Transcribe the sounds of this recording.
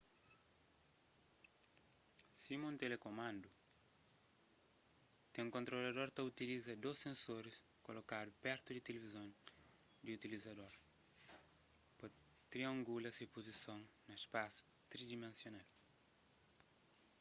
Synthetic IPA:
simũnt̪elekomãnd̪u | t̪ẽŋkõnt̪ɾolɐd̪oɾt̪ɐut̪ilizɐd̪osẽnsoɾis | kolokad̪ʊpɛɾt̪ud̪it̪elevizõŋ | d̪iut̪ilizɐd̪oɾ | po | t̪ɾiɐ̃ŋɡulɐsipozisõŋnɐespasu̥ | t̪ɾid̪imẽnsjonal

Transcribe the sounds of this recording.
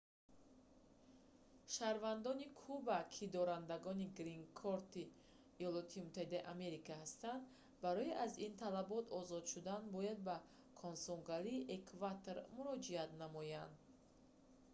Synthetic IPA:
ʃaɾvand̪ɔnikʰubakʰid̪ɔɾand̪aɡɔniɡɾiŋkʰɔɾt̪iː | jɔlɔt̪ʰimut̪ʰːahid̪aiʔame̞ɾikahast̪and̪ | baɾɔiʔazint̪ʰalabɔt̪ʰɔzɔd̪ʃud̪anbɔjad̪̚ba | kʰɔnsɔŋɡaliːʔekʰvat̪ʰoɾmuɾɔd͡ʒiat̪namɔjand̪

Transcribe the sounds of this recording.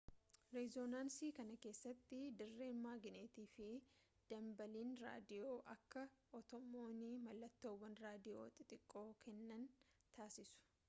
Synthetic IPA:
ɾɛzonaːnsiːkɐnɐke̞ːsːɐt̪ːɪd̪ɪrːe̞ːnːaːɡɪneːt̪iːfɪ | d̪̥ɐmbɐliːnɾa̰ːd̪ɪjo̞ːʔɐkːɐʔɔt̪ɔmːo̞ːnimɐlːɐt̪ːoːwɐnɾaːd̪ɪjo̰ːt̪ʼɪt̪ʼɪkʼːo̞ːkɛnːɐnt̪ʰaːsɪsʊ̥

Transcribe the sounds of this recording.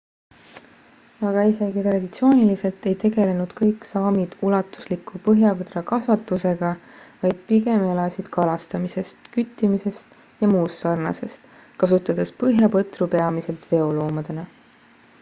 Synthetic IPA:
ɑɡ̥ɑise̞ɡit̪rɑd̪̥it̪sio̞ːnʲilise̞lt̪e̞jt̪e̞ɡe̞le̞nud̪̥kɤjksɑːmid̪̥ulɑt̪ːˑu̥slikʰːupɤɦjɑvɤd̪rɑkɑsvɑt̪ːˑuse̞ɡ̥ɑ | vɑjd̪̥̚piɡe̞me̞lɑsid̪̥kʰɑlɑst̪ɑmise̞st̪kyt̪ːˑimise̞st̪ | jɑmuːsːɑrnɑ̰se̞st̪ | kɑsut̪ːˑɑd̪̥e̞spɤɦjɑpɤt̪rupe̞ɑmise̞lt̪ve̞o̞lo̞ːmɑd̪̥e̞nɑ

